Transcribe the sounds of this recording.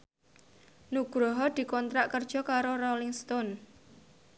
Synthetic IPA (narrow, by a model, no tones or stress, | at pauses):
nuɡ̥ɾɔɦɔd̪̥i̤kɔnt̪ɾaʔkərd̥ʒ̥ɔ̤kaɾorɔlɪŋst̪ɔn